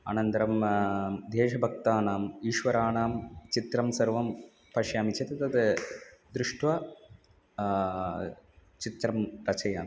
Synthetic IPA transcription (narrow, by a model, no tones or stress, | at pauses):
a̰ːnɐnd̪ɐɾɐm | d̪ʱeːʂɐbʱɐk̚t̪aːnaːmiːʃʋɐɾaːɳaːmt͡ʃit̪ɾɐmsɐɾʋɐm | pɐʃjaːmit͡ʃet̪ɐt̪ɐt̪ɨd̪ɾuʂʈʋɐ | t͡ɕit̪ɾɐmɾɐt͡ʃʰɐjaːnɐ